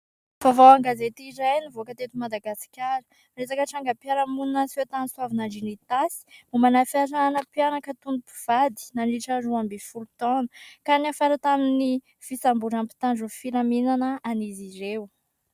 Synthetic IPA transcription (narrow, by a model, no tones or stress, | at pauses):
vavawaŋɡazet̪iɾajnivoakət̪et̪umad̪aɡasi̥kʲaɾə̥ | resakəʈ͡ʂaŋɡəpjaɾamunnaset̪aniswavinaɳɖ͡ʐinit̪asi̥mumanafaɾaanəpianakət̪unupi̥v̥ad̪i̥naniʈ͡ʂaɾuambefulut̪ɔnə̥kanafaɾat̪amini | v̥isambuɾampi̥t̪anɖ͡ʐufilaminanəaniziɾew